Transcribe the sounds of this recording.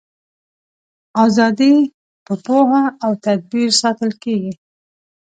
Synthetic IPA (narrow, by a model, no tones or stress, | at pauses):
ɑzɑd̪i | pəpohaːwt̪ad̪̚biɾsɑt̪əlkeɡi